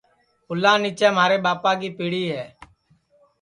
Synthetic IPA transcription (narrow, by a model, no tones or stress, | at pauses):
pʊlãːniːt͡ʃɛːmaːɾeːɓaːpãːɡiːpiːɽiːɦɛː